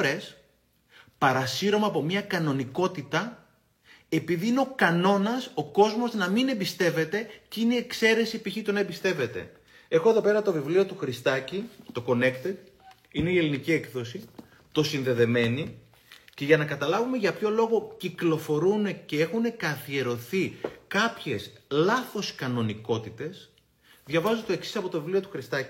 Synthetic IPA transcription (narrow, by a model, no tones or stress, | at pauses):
ɾe̞s | pɐɾɐsiɾo̞mɐːpo̞mɲɐkɐno̞niko̞t̪it̪ɐ | e̞piðiineo̞kɐno̞nɐso̞ko̞zmo̞znɐmine̞mbist̪e̞ve̞t̪e̞cineie̞kse̞ɾe̞sipiçit̪unɐebist̪e̞ve̞t̪e̞̰ | e̞xo̞eðope̞ɾɐt̪o̞vivlio̞t̪uxɾist̪ɐcit̪o̞ko̞ne̞kt̪et̪ | ine̞ie̞linicie̞kθo̞si | t̪o̞sinðe̞ðe̞me̞ni | ce̞ʝɐnɐkɐt̪ɐlɐvumeʝɐpço̞lo̞ɣo̞ciklo̞fo̞ɾune̞ce̞e̞xune̞kɐθie̞ɾo̞θikɐpçe̞slɐθo̞skɐno̞niko̞t̪it̪e̞s | ðʝɐvɐzut̪o̞e̞ksi̥sɐpo̞t̪o̞vivlio̞t̪uxɾist̪ɐci